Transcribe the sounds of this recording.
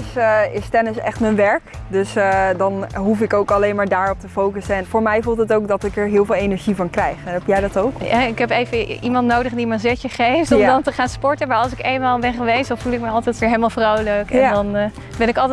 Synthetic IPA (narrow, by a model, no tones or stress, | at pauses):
sɪstɛnɪsɛ̰χtmənʋɛɹkdɵsdɑnɦufɪkowkɑlejnmaːɹdaːɹɔp̚təfowkəsəɛnfoːɹmɛjvulˠtətowkdɑtɪkɛɹɦɪːlˠvɪːlˠejnɛɹʒivɑnkrɛjχɛnɦɛpjɛjdɑtowkɦɛɪkɦɛpejvəimɑntnowdəχdimənzɛcəχejftɔmdɔntəχaːnspɔɹtənmaːɑlˠsɪkeːnmaːlˠbɛnχəʋejsd̥ɔnfulˠɪk̚məɑlˠtɛtʋɪːɹɦelmalˠfrowləkɛ̰ndɔn | bɛnɪkɑlˠt